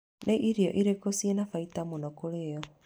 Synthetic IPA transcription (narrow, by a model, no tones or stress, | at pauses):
nʔeʔiɾiɔʔiɾekosjɛnafaitamonɔkoɾejɔ